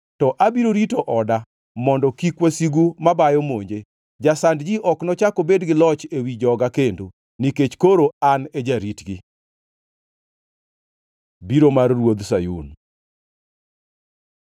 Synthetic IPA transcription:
tɔʔabiɾoɾitoʔɔda | mɔndɔkikwasiɡumabajɔmoɲd͡ʒe | d͡ʒasandd͡ʒiʔɔknɔt͡ʃakobedɡɪlɔt͡ʃewid͡ʒɔɡakendo | niket͡ʃkoɾoaned͡ʒaɾitɡi | biɾomarːwod̪sajṵn

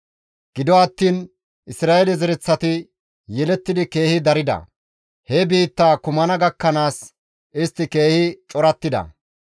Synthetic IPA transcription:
ɡ̥ɪd̪ɔɐt̪ːiːn | ʔɪsɾaːʔelɛzɛɾɛt͡sːɐt̪ɪ | jɛlɛt̪ːɪd̪ɪke̞ːhɪd̪ɐɾɪd̪ɐ̰ | hɛbiːt̪ːaːkʊmɐnɐɡɐkːɐnaːs | ʔɪst̪ːɪke̞ːhɪt͡ʃʼɔɾɐt̪ːɪd̪ɐ̰

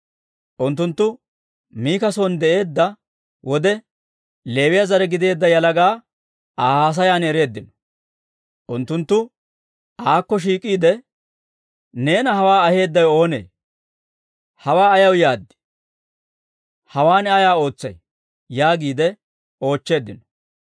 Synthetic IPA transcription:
ʔʊnt̪ːʊnt̪ːʊ | miːkɐsond̪ɛʔe̞ːd̪ːɐ | wʔɔd̪ɛ | le̞ːwɪjɐzɐɾɛɡɪd̪e̞ːd̪ːɐjɐlɐɡaː | aːhaːs̬ɐjaːnɛɾe̞ːd̪ːɪnɔ̥ | ʔʊnt̪ːʊnt̪ːʊ | ʔaːkːɔʃ̬iːkʼːiːd̪ɛ | ne̞ːnɐhɐwaːɐhe̞ːd̪ːɐjo̞ːnḛː | hɐwaːɐjɐwjaːd̪ːɪ̥ | hɐwaːnɛajaːo̞ːt͡sːɐ̰j | jaːɡiːd̪ɛ | o̞ːt͡ʃːe̞ːd̪ːɪnɔ̥

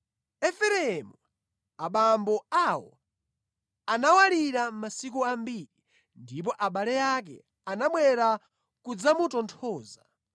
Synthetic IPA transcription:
ɛfɛɾɛɛmu | aɓambɔawɔ̰ | anawaliɾammasikuambiːɾi | ndip̬ɔʔaɓalɛjakɛ̰ | anaɓwɛɾa | kud͡zamutɔntʰɔːza

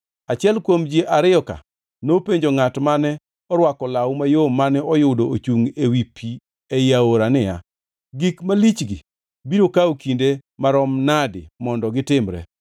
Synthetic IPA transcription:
at͡ʃɪɛlkwomd͡ʒieʔaɾɪɔka̰ | nopeɲd͡ʒoŋatmanɛ | ɔɾwakɔlawmajomːanɛɔjʊdoot͡ʃuŋewipʰi | ɛjaoɾanɪja̰ | ɡikmalit͡ʃɡɪ | biɾokawkindemaɾɔmnadɪ̰mɔndɔɡɪtɪmɾɛ̰

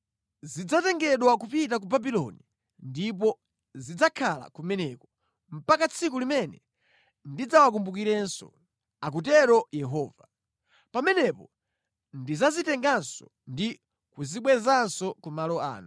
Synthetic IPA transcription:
zid͡zatɛŋɡɛɗwakupit̬ak̬ubabilɔ̰ni | ndip̬ɔ | zid͡zakʰala̰kumɛnɛkɔ | m̩pakat͡sʰik̬ulimɛnɛ | ndid͡zawak̬umbukiɾɛnsɔ̰ | ak̬utɛɾɔjɛɦɔːva | pamɛnɛpɔ | ndizazitɛŋɡansɔ | ndi | kuziɓwɛzansɔkumalɔa̰ːnu

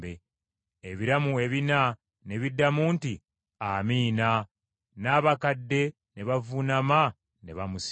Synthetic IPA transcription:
be | eβiɾamue̞βina | ne̞βidːamuːnti | amiːna | naːβakadːe̞ | ne̞βavunama | ne̞βamus

